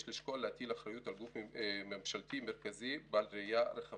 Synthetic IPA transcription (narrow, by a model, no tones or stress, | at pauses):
ʃliʃkoalehat̪ilaχɾajut̪alɡufmemʃalt̪imeɾkazibalɾejaɾeχa